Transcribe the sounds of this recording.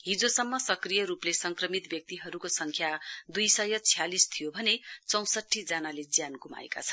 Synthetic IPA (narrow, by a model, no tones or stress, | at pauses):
ɦid͡zosʌmːʌsʌkrijʌɾuplesʌŋkrʌmit̪bjʌk̚t̪iɦʌɾukosʌŋkʰjad̪ujsʌjʌt͡sʰijalist̪ʰijobʱʌnet͡sʌ̃w̃sʌʈʰːid͡zʌnaled͡zjanɡuma̰ḛka̰t͡sʰʌ̥n